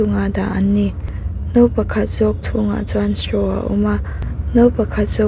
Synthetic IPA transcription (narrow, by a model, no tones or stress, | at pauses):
ʊŋada̰ʔɐnːinopɐkʰɐt̪̚zɔk̚tʰuŋa̰t͡sanstɔa̰ʔṵma | nopɐkʰɐt̪̚z̥ɔ